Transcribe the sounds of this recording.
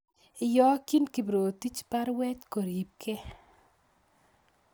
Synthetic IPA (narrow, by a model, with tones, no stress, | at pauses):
ɪ˨jɔ˦ki˦nki˨bɾo˨ti˦t͡ʃpa˦ɾwɛ˦t͡ʃko˨ɾi˨p̚kʰe˦